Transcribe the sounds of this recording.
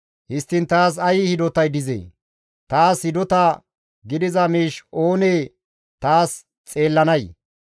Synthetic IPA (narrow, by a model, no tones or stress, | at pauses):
hɪst̪ːɪnt̪aːs̬ɐjɪhɪd̪ɔt̪ɐjd̪ɪzḛː | t̪aːshɪd̪ɔt̪ɐ | ɡɪd̪ɪzɐmiːʃo̞ːneː | t̪aːs | t͡sʼe̞ːlːɐnɐj